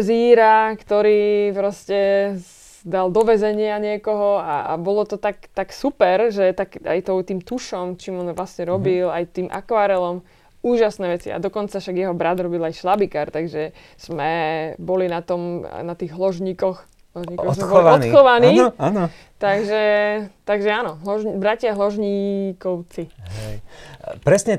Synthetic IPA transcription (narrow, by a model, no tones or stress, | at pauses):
ziːɾakt̪ɔɾiːpɾɔscɛ | d̪ald̪ɔʋɛzɛɲɪaɲɪɛkɔɦɔa̰bɔlɔt̪ɔt̪akt̪aksupɛɾʒɛt̪aka̰jt̪ɔt̪iːmt̪uʃɔmt͡ʃiːmɔnʋlasɲɛɾɔbilajt̪iːmʔa̰kʋaːɾɛlɔm | uːʒasnɛːʋɛt͡sia̰d̪ɔkɔnt͡safʃaɡjɛɦɔbɾad̪ɾɔbilajʃlabikaɾt̪aɡʒɛ | z̥mɛbɔlinat̪ɔmnat̪iːɣɦlɔʒɲiːkɔx | ɦlɔʒɲiːkɔsɛbɔlʋɔnt̪xɔʋaniːan | t̪aɡʒɛt̪aɡʒɛaːnɔɦlɔʒbɾacɪaɦlɔʒɲiːkɔʊt͡siɦɛ | pɾɛsɲɛ